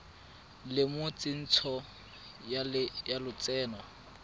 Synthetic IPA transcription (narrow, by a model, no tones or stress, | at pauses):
lɪmʊt͡sʼɪn̩t͡sʰɔ | jalʊt͡sʼɛːnɔ